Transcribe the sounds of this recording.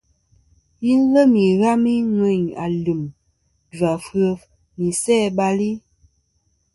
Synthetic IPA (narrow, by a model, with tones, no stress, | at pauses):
ji˦n˦lə˦mi˨ɣa˦mi˦ŋə˨ɲa̰˨lu˨m | da˨fə˦˨ | mi˨sɛː˦˨ba˦li˦